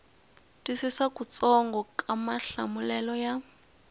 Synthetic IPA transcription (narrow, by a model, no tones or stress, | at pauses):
tʼisisakut͡sɔŋɡɔkʼamaɬa̰mulɛlɔja